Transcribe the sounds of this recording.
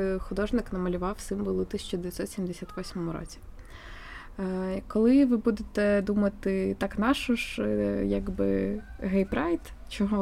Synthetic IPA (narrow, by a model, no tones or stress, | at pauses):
xʊd̪ɔʒnɪknɐmɐlʲʊʋɑwsɪmʋɔlˠɪt̪isʃʲt͡ʃɔd̪eʋʲjɐt̪sɔt̪sʲimd̪esʲat̪ʋɔsʲmɔmʊɾɔ̰t͡sʲi̥ | kɔlˠɪʋɪbud̪et̪ɛd̪umɐt̪ɪt̪ɑknɑʃɔʒjaɡbɪ̰ɦɛjpɾɛjt̪ | t͡ʃɔɦɔ